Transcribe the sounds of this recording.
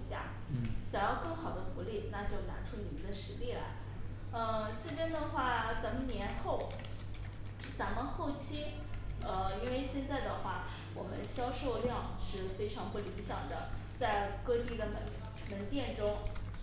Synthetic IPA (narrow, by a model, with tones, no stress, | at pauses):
ɕja̰˥˩ | ɕjɑ˨˩ŋjɑ˥˧ʊkɤ˥˩ŋxɑ˨˩ʊd̪ə˦fu˧˥li˥˩na˥˧t͡ɕjo˥˩ʊna̰˧˥ʈ͡ʂʰu˥ni˨˩mə˧˦nd̪ə˧ʂɻ̩˧˥li˥˩la̰˧˥ɪ | ə˧ʈ͡ʂɤ˥˩pjɛ˥nt̪ə˥˧xwa˥˩˧t͡sa˧˥mə˧njɛ˧˥nxo˥˩ʊ˥ | t͡sa˧˥mə˧xo˥˩ʊt͡ɕʰi˥ | ə˧i˥nwe˥˧ɪɕjɛ˥˧nt͡sa˥˩ɪd̪ə˩xwa˥˩ | wɔ˨˩mə̰˦nɕjɑ˥ʊʂo˥˧ʊljɑ˥˧ŋʂɻ̩˥˩fe˥ɪʈ͡ʂʰɑ˧˥ŋpu˥˩li˧˥ŋɕjɑ̰˨˩ŋd̪ə̰˦t͡sa˥˩ɪkɤ˥˧t̪i˥˩d̪ə˩mə˧˥n | mə˧˥nt̪jɛ˥˩nʈ͡ʂʊ˥ŋ